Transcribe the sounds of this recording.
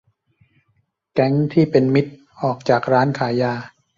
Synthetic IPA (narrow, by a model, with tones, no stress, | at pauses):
kɛ˦˥ŋt̪ʰiː˥˩pe˧nmi˦˥t̪̚ | ʔɔː˨˩k̚t͡ɕaː˨˩k̚ɾaː˦˥nkʰaː˩˦jaː˧